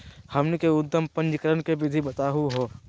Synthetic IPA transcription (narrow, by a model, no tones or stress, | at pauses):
hɐmnikeʊd̪ːəmpə̃ɲd͡ʒkəɾənkeʋɪd̪ʱibɐt̪aːɦuɦoː